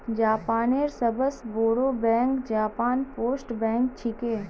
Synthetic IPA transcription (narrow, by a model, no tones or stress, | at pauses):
d͡ʒaːpaːneːɾsəbəsboːɽobɛ̃ːŋkd͡ʒaːpaːnpoːsʈbɛ̃ːŋk̚t͡ʃʰɪkeː